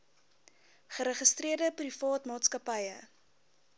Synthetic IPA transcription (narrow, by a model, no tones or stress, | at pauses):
χəɾəχəstriərdəprifɑːtmɑːtskɐpɐjə